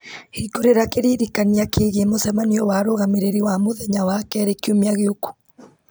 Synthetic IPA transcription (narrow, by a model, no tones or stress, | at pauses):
hikoɾeɾakeɾiːɾikaniakʰeːɣemosɛmaniɔwaɾoɣameɾeɾiwamoðɛɲawakɛɾekiomeaɣeoku̥